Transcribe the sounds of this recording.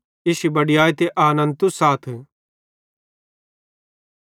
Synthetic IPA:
ɪʃibɐɽijaːjt̪eʔaːnɐ̃nt̪usaːt̪ʰ

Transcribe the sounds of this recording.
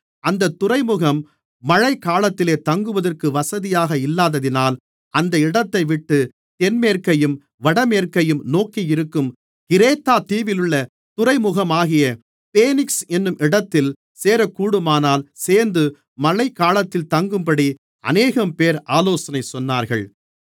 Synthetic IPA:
ɐnd̪ɐt̪ːʊɾɐɪmʊɣɐmː | ɐɻɐɪkːaːlɐt̪ːɪleːt̪ɐŋɡɯʋɐðɐrkɯʋɐsɐðɪjaːɣɐɪlːaːðɐðɪnaːl | ɐnd̪ɐɪɽɐt̪ːɐɪʋɪʈːɯ | t̪ɛnmeːɾkɐjɯm | ʋɐɽɐmeːrkɐjɯmnoːkijɪɾɯkːɯm | kɪɾeːt̪ːaːt̪iːʋɪlɯɭːɐ | t̪ʊrɐɪmʊɣɐmaːɣɪjɐ | peːnɪksɛnːɯmʔɪɽɐt̪ːɪl | seːɾɐkuːɽɯmaːnaːlseːɾnd̪ɯ | mɐɻɐɪkːaːlɐt̪ːɪlt̪ɐŋɡɯmpɐɽi | ɐ̰neːɣɐmpeːɾaːloːsɐnɐɪsɔnːaːɾɣɐ̰ɭ

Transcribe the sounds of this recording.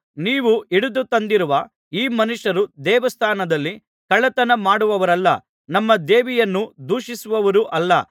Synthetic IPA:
niːʋuiɽud̪ut̪ɐnd̪iɾuʋɐ | iːmɐnuʂɐɾud̪ɛːʋɐst̪ʰaːnɐd̪ɐlːi | kɐɭɐt̪ɐnɐmaːɽuʋɐʋɐɾɐlːɐ̰ | nɐmːɐd̪eːʋijɐnːud̪uːʂisuʋɐʋɐɾuʔɐlːɐ

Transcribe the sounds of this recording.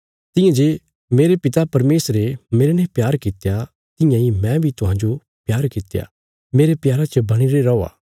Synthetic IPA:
t̪ɪ̃jãd͡ʒe | meːɾepɪt̪apɐɾmeːsɾemeːɾenɛ̃pjaːɾkɪt̪ja | t̪ɪjãimɛ̃bʱit̪ʊɦãːɲd͡ʒo | pjaːɾkɪt̪ːja̰ | meːɾepjaːɾat͡ʃɐbɐɽ̃iɾeɾɔoa̰ː

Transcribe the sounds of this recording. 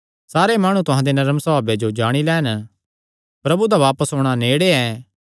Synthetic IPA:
saːɾemaːɽ̃ũt̪ʊɦãːd̪enɐɾəmsəbaːbed͡ʒod͡ʒaːɽ̃ilɛːn | pɾɐbud̪aʋaːpəsɦoːɽ̃aneːɽeɛː

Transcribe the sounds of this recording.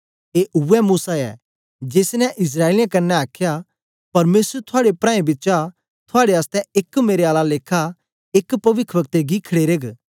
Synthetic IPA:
eːʔʊɛmuːsaɛ̰ː | d͡ʒeːsnɛʔɪs̬ɾaːelɪjãkɐnːɛaːkʰja | pɐɾmeːsɾt̪ʰʊaːɽepɾãːẽbɪtːt͡ʃa | t̪ʰʊaːɽeaːst̪ɛɪkmeːɾeaːlaleːkʰa | ɪkpɐʋɪkʰːʋək̚t̪eɡikʰɐɽeːɾeːɡ

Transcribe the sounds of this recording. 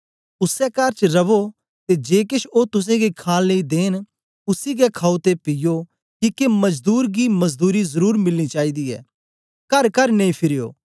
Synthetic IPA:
ʊsɛkaɾt͡ʃɾɐʋo | t̪ed͡ʒeːkɪʃʰoːt̪ʊs̬ẽɡikʰaːlːeid̪eːn | ʊsiɡɛkʰaːot̪epɪjo | kikemɐzd̪uːɾɡimɐzd̪uːɾizɐɾuːɾmɪlnit͡ʃaːid̪iɛ̰ː | kɐɾkɐɾnɐ̃ĩpʰɪɾɪjo̰ː

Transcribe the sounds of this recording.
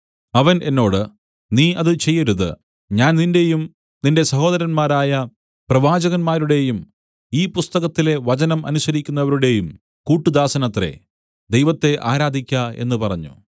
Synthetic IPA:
ɐʋɐnʔe̞nːo̞ːɽɨ | niːʔɐðɨt͡ɕe̞jːɐɾuðɨ̰ | ɲaːnninde̞jum | ninde̞sɐɦo̞ːd̪ɐɾɐnmaːɾaːjɐ | prɐʋaːd͡ʑɐɣɐnmaːɾuɽe̞jum | iːpust̪ɐɣɐt̪ːile̞ʋɐt͡ɕɐnɐmɐ̰nuɕɐɾikʲːunːɐʋɐɾuɽe̞jum | kuːʈːud̪aːsɐnɐt̪ːre̞̰ | d̪ejʋɐt̪ːe̞ʔaːɾaːd̪ʱikʲːɐe̞̰nːɨpɐrɐɲːṵ

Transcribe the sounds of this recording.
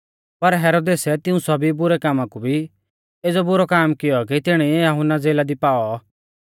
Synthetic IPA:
pɐɾɦɛːɾoːd̪eːsɛt̪ɪũsɔbibʊɾɛkaːmãkubʱi | eːd͡zɔbʊɾɔkaːmkɪjɔk̬it̪ɪɽ̃ɛiɛjɐɦʊnad͡zeːlad̪ipaːɔ

